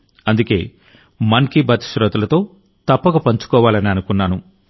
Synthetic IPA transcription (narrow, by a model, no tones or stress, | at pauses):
ɐnd̪uke̞ː | mɐnkibɐt̪i̥ʃɾɐt̪ɐlɐt̪o̞ː | t̪ɐpːɐɡɐpɐɲt͡ʃu̥kɔːʋaːlɐniɐnukunːaːnu